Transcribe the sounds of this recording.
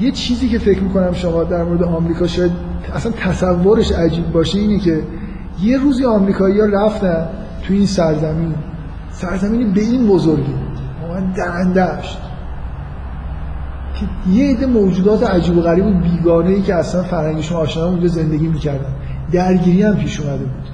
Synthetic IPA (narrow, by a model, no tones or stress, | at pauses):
je̞t͡ʃʰiːziːcʰe̞fecʰmiːkʰo̞næmʃomɒːd̪æɾmoɾed̪eɒmɾiːkʰɒːʃɒːjæd̪æslænt̪ʰæsævːoɾe̞ʃæd͡ʒiːbbɒːʃeiːnecʰe̞ | je̞ɾuːziɒmɾiːkʰɒːijɒːræft̪æn | t̪ʰujeinsæɾzæmiːn | sæɾzæmiːnibe̞inbozoɾɡibud̪ | ɒmænd̪æɾænd̪æʃt̪ | cʰejeed̪ːe̞moːd͡ʒuːd̪ɒːt̪ʰeæd͡ʒiːboɣæɾiːbuːd̪biːɡɒːne̞iːcʰeæslænfæɾhæŋɟeʃomːʃnmund͡ʒɒze̞nd̪e̞ɟiːmiːcʰæɾd̪ænd̪ | d̪æɾɟiːɾiːæmpʰiːʃuːmæd̪e̞buːd̪̥